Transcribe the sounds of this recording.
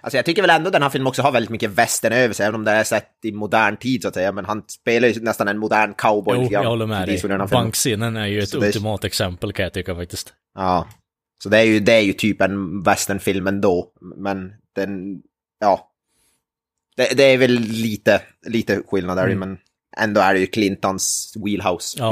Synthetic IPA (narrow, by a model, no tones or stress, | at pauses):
ʔalsɔjɑɡ̚t̪ʏkːəɾvɛlɛnd̪ɔd̪ɛnhæɾfɪlmənɔksɔɦhaɾvɛld̪ɪt̪mʏkːəvɛst̪əɳøːʋvəʂɛjɛːvənɔmd̪ɛasɛt̪ːɪmʊd̪æːɳt̪ʰiːd̪sʊat̪sɛjːamɛnɦanspeːlaɾjɵnɛst̪anɛnmʊd̪æːɳkʰaʊbɔjɪɡɾahɔlːəɾmɛd̪ɪsʊlːnæːfɪamŋkseːnənæɾjɵɛt̪ɵd̪t̪ɪmɑːt̪ɛksɛmpəlkʰãjɑt̪ʏkːəɾfak̚t̪ɪst̪ | ɑː | sɔd̪ɛæɾjɵd̪ɛæɾjɵt̪ʰyːpɛnvɛst̪əɳfɪlmɛnd̪oːmɛnd̪̥ɛ | jɑː | d̪̥ɛd̪ɛæɾvɛlːiːt̪ə | liːt̪əɧɪlnad̪æɾjʉmɛn | ɛ̰nd̪oːæɖɛjʉkʰlɪnt̪ɔnswiːlɦaʊs